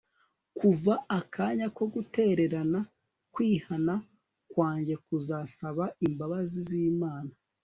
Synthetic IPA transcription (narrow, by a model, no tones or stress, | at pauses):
kuvaakʰaːɲako̞ɡute̞ɾe̞ɾana | kwiːhana | kwaːɲɟe̞kuzasaβaimbaβaziziːmaːna